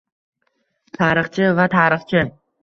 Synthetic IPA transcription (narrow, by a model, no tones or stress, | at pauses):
t̪ʰaːɾɨχt͡ʃʰɪvat̪ʰaːɾɨχt͡ʃʰɪ